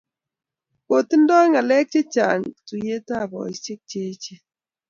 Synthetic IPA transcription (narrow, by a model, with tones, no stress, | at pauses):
ko˨ti˦n˦dɔ˦i˦ŋa˨lɛ˦k̚t͡ʃe˦t͡ʃa˨ŋtu˨je˦ta˦˨bɔ̰˨i˦se˦k̚t͡ʃe˦t͡ʃe˦